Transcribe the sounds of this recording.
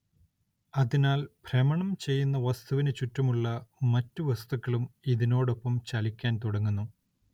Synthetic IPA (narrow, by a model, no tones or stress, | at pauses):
ɐðinaːlprɐmɐɳɐmt͡ɕe̞jːunːɐʋɐst̪uʋinɨt͡ɕutːɐmuɭːɐmɐtːuʋɐst̪ukːɐɭumiðinoːɽo̞pːɐmt͡ɕɐlikʲːaːnt̪uɽɐŋːunːu